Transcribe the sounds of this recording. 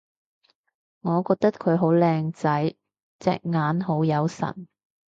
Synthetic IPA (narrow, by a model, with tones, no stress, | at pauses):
ŋɔː˨˧kɔː˧k̚t̪ɐ˥t̚kʰɵ˨˧ɥɦo˨˥wlɛː˧ŋt͡sɐ˨˥j | t͡sɛ̰ː˧k̚ŋaː˨˥nɦo˨˥wjɐ˨˧wsɐ̰˨˩n